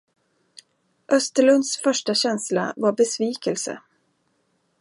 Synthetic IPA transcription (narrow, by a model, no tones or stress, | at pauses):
ʔœst̪əɭɵnd̪sfœʂʈaɕɛnsla̰vaɾbɛsviːkəlsə̰